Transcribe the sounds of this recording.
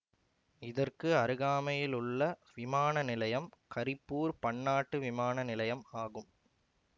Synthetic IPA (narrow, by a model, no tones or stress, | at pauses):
ɪðɐrkɯɐɾɯɣaːmɐjɪlʊɭːɐʋɪmaːnɐnɪlɐjɐmkɐɾɪpːuːɾpɐɳːaːʈːɯʋɪmaːnɐnɪlɐjɐmaːɣɯm